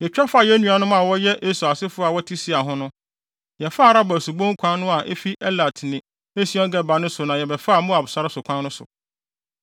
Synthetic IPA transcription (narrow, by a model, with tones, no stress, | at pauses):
jɛ˨t͡ɕᶣa˦fa˦˨jɛ˦nũ˨a˨nʊ̃˦mã˨wɔ˦jɛ˦ʔe˦su˨a˨sɪ˦fʊ˦a˨wɔ˦tʰi˦si˦a˨ɦʊ̃˦nʊ̃˦ | jɛ˨fa˦˨ɾa˦bɔ˨su˨bõ˦ŋ˦kʷʰã˦nʊ̃˦a˨ʔe˦fi˦ʔɛ˦la˨tʰnɪ̃˨ | e˦si˦ɔ̃˦ɡɛ˦ba˨nʊ̃˦sʊ˨nã˨jɛ˨bɛ˨fa˦˨mʊ̃˦a˨bʊ˨sa˨ɾɪ˦sʊ˨kʷʰã˦nʊ̃˦sʊ̰˨